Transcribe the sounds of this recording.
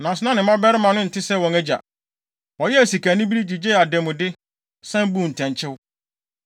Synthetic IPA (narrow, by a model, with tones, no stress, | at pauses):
nã˨sʊ˨nã˦nɪ̃˨mã˦bɛ˦ɾɪ˦mã˨nʊ̃˦n̩˨tʰɪ˦sɛ˦wɔ̃˨ŋæ˦d͡ʑa̰˨ | wɔ˨jɛ˦æ˨si˨kæ˨nɪ̃˦bi˦ɾi˦d͡ʑi˨d͡ʑe˦a˨dɛ˨mʊ̃˨dɪ˦ | sɛ̃˦m˦bũ˦˨n̩˨tʰɛ̃˨ɲ˨t͡ɕʰɪ˦w